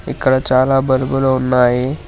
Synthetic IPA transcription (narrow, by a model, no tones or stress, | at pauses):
ḭkɽat͡ɕalabəɾbəlonːaɦe